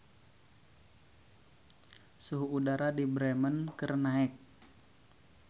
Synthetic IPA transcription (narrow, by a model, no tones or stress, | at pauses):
suɦuːdaɾadibɾɛmənkərnaɛk̚